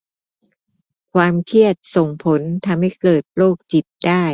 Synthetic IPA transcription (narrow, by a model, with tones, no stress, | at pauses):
kʰwaː˧mkʰi˥˩ət̪̚so˨˩ŋpʰo˩˦nt̪ʰa˧mha˥˩jkɤː˨˩t̪̚loː˥˩k̚t͡ɕi˨˩t̪̚daː˥˩j